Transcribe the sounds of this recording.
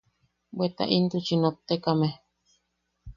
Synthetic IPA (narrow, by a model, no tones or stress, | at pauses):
bwet̪a̰ʔint̪ut͡ʃinot̪ːekame